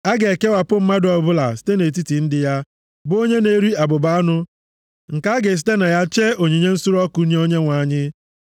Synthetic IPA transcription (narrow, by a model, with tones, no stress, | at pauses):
a˦ɡe˨e˨ke˦wa˨pʊ˦m̩˦ma˦dʊ˨ɔ˨bʊ˦la̰˨si̥˨te˦ne˨t̬i˦ti˨n̩˦dɪ˨ja˦ | bʊ˦o˦ɲe˦ne˦ɾi˦a˨bʊ˨ba˦a˦nʊ˦ | ŋ̩˨ka˦a˦ɡe˨s̬i̥˦te˦na˨ja˦t͡ʃe˦o˨ɲe˨ɲe˦n̩˦su˦ɾɔ˦ku˦ɲe˦o˦ɲe˦ŋʷa˨˦˨ɲɪ˦